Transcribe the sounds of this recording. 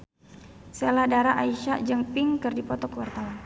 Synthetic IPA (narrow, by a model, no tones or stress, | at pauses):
seladaɾaʔaiʃad͡ʒəŋpɪŋkɨrdipɔt̪ɔkəwart̪awan